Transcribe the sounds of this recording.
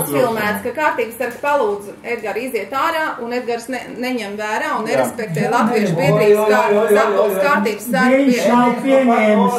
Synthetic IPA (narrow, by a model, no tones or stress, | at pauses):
filˠmæːt̪skakaːɾt̪iːɡst̪aɾkspalˠuːd̪z | ɛd̪̚ɡaɾiziɛt̪aːɾaːʔunɛd̪̚ɡaɾsnnɛɲɛmvæːɾaːunːɛɾɛspɛk̚t̪ɛːlˠat̪viɛʃpiɛɾiːɡskaaɔskaːɾt̪iːbssaɾiɲʃnawpiɛɲɛːm